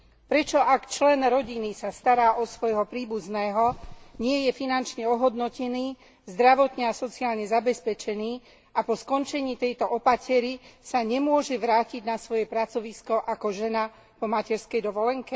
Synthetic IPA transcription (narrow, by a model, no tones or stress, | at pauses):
pɾɛt͡ʃɔʔakt͡ʃlɛnɾɔɟinisast̪aɾaːʔɔsʋɔjɦɔpɾiːbuznɛːɦɔɲɪɛjɛfinant͡ʃɲɛɔɦɔd̪nɔcɛniː | zd̪ɾaʋɔt̪ɲɛasɔt͡siaːlɲɛzabɛspɛt͡ʃɛniː | apɔskɔnt͡ʃɛɲiːt̪ɛjt̪ɔʔɔpacɛɾisaɲɛmʊɔʒɛʋɾaːciɟnasʋɔjɛpɾat͡sɔʋiskɔʔakɔʒɛna | pɔmacɛɾskɛjd̪ɔʋɔlɛŋkɛ